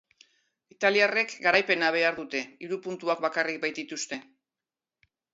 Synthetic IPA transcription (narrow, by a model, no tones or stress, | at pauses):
it̪aliare̞kɡaɾajpe̞naβ̞e̞aɾðut̪e̞iɾupunt̪uakbakarik̚bajt̪it̪ust̪e̞